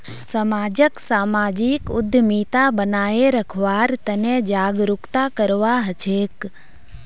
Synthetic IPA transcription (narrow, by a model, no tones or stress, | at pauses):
səmaːd͡ʒəksaːmaːd͡ʒikʊd̪ʱəmiːt̪abənaːeɾəkʰʋaːɾt̪ənẽd͡ʒaːɡɾʊkt̪akəɾʋaɦət͡ʃʰeːk